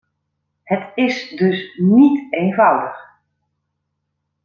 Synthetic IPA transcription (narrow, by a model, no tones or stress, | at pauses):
hətɪsdɵsnitejnvʌwdəx